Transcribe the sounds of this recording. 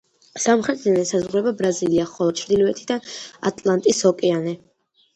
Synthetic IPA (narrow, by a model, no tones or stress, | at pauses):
samχɾɛt̪ʰʼd̪ɛnɛsazʁɾɛbabɾaziliaχɔlˠɔt͡ʃʰɾd̪ilɔɛt̪ʰid̪aa̰t̪ʼlˠant̪ʼisɔkʼɛanɛ